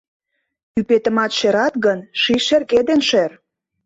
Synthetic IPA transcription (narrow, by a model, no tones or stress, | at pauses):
ypet̪ə̆mɑt̪ʃeɾɑt̪ɣənʃiʃerked̪enʃer